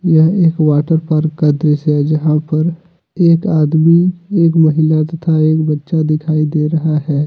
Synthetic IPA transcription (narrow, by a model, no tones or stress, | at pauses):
jɐɦeːkʋaːʈəɾpaːɾkːəd̪ɾesɦɛd͡ʒɐɦãpɐɾ | eːkaːd̪mieːkmɐɦɪlat̪ɐt̪ʰaeːkbɐtːʃad̪ɪkʰaːid̪eːɾɐɦaɦɛː